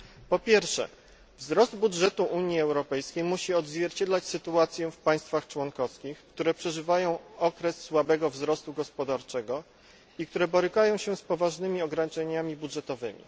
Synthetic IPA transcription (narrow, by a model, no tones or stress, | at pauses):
pɔpʲjɛɾfʂɛ̰ | vzɾɔzd̪budʐɛt̪uʔuɲjiɛwɾɔpɛjskʲejmuɕiɔd̪zvʲjɛɾt͡ɕɛd̪lat͡ɕsɘt̪uat̪sʲjɛfpaj̃st̪faxt͡ʂwɔnkɔfskʲixkt̪uɾɛpʂɛʐɘvajɔ̃w̃ɔkɾɛsːwabɛɡɔvzɾɔst̪uɡɔspɔd̪aɾt͡ʂɛɡɔ | ik̚t̪uɾɛbɔɾɘkajɔ̃w̃ɕɛspɔvaʐnɘmʲiɔɡɾaɲit͡ʂɛɲamʲibudʐɛt̪ɔvɘmʲḭ